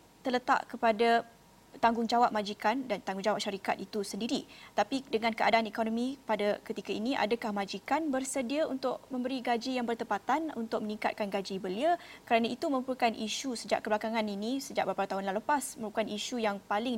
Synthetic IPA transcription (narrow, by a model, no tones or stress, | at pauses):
t̪ərlət̪a̰ʔkəpada | t̪aŋɡʊŋd͡ʒawap̚mãd͡ʒikandant̪aŋɡuŋd͡ʒawap̚ʃaɾika̰t̪̚it̪usəndiɾit̪apidəŋãnkəadaːnɛkonomĩpadakət̪ikainiʔa̰dakahmãd͡ʒikanbərsədiaunt̪ʊʔ̚mə̃mbəɾiɡad͡ʒijaŋbərt̪əpat̪anunt̪ʊk̚məniŋka̰t̪̚kanɡad͡ʒibəliəkəɾanait̪uməɾupəkanʔiʃusəd͡ʒa̰ʔkəblakaŋãninisəd͡ʒaʔbaapat̪aɦʊnlaləpasməɾupəkaniʃujaŋpalɪŋ